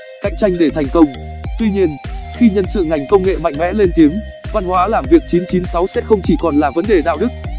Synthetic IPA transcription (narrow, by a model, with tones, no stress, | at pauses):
ka̰˧˨jŋ̟t͡ɕa˧jŋ̟ɗe˧˩t̪ʰa˨˩jŋ̟kə˧wŋ͡mt̪wi˧ɲi˧ənxi˧ɲə˧nsɨ̰˧˨ŋa˨˩jŋ̟kə˧wŋ͡mŋḛ˧˨ma̰˧˨ŋmɛ̰˧˥le˧nt̪i˨˦əmva˧nhwaː˨˦laː˨˩mvi˨˩ək̚t͡ɕi˨˦nt͡ɕi˨˦nsa˨˦wsɛ̰˧˥xə˧wŋ͡mt͡ɕi˧˩kɔ˨˩nlaː˨˩və˨˦nɗe˨˩ɗa̰ː˧˨wɗɨ˦˥k̚